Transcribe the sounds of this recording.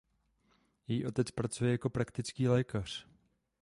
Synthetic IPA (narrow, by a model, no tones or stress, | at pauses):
jɛjiːʔo̞t̪ɛt͡spɾat͡sujɛjako̞pɾakt̪ɪt͡skiːlɛːkar̝̥